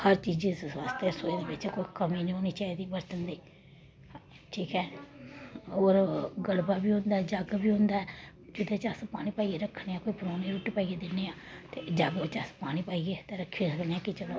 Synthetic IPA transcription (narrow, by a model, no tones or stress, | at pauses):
həɾt͡ʃiːd͡ʒiːsʋaːst̪eɛːsoːeːd̪eːbɪt͡ʃkoːiːkəmiːnĩːɦoːniːt͡ʃaːiːd̪iːbəɾt̪ənd̪iː | ʈʰiːkɛː | oːɾɡəlbaːbiːɦõnd̪aːɛːd͡ʒəɡbiːɦʊ̃nd̪aːɛː | d͡ʒɪt̪ẽːt͡ʃəspaːñiːpaːiːɡeːɾəkʰneːãːkoːiːpəɾoːneːɾuːʈiːpaːiːɡeːd̪ɪnːeːãːt̪eːd͡ʒəɡet͡ʃəspaːñiːpaːiːɡeːt̪eːɾəkʰːĩsəkneːãːkɪt͡ʃəlõ